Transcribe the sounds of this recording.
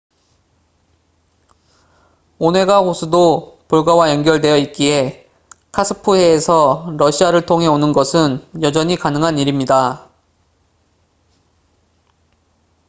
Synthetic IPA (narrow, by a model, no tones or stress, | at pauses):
onɦe̞ɡaɦosʰɯdopoɭɡawajʌnɡjʌɭdwe̞jʌit̚k͈ie̞ | kʰasʰɯpʰuɦe̞ːsʰʌɾʌɕʰiaɾɯɭtʰoŋɦe̞onɯnɡʌsʰɯnjʌd͡ʑʌɲikanɯŋɦaniɾimɲida